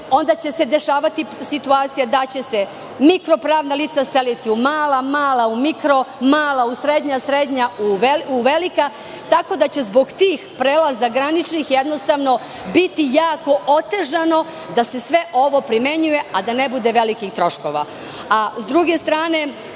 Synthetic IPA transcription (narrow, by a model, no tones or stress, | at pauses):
o̞nd̪at͡ɕe̞se̞d̪e̞ʃaːʋat̪isit̪uaːt̪sijad̪at͡ɕe̞se | mikɾo̞pɾaːʋnaliːt̪saselit̪iumaːlamaːlaumikɾo̞maːlausɾed̪ɲasɾed̪ɲauʋeuʋelika | t̪ako̞d̪at͡ɕe̞zbo̞ɡt̪iːxpɾeːlazaɡɾanit͡ʃnixjed̪no̞st̪aʋno̞ | bit̪ijaːko̞ʔot̪e̞ʒano̞ | d̪ase̞sʋe̞ʔo̞ʋo̞pɾime̞ɲuje̞ad̪ane̞bud̪e̞ʋe̞likixt̪ɾo̞ʃko̞̰ʋa̰ | azd̪ɾuɡe̞st̪ɾaːne̞